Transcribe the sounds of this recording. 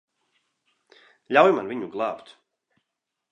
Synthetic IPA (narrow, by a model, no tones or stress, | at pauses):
lʲawjumanviɲuɡlˠɑːpt̪